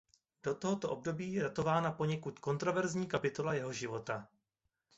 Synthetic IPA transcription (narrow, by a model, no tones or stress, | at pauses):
d̥o̞t̪oɦot̪o̞ʔob̚do̞biːjɛdat̪o̞vaːnapo̞ɲɛkut̪ko̞nt̪ɾo̞vɛɾzɲiːkapɪt̪o̞lajɛɦo̞ʒɪvo̞t̪a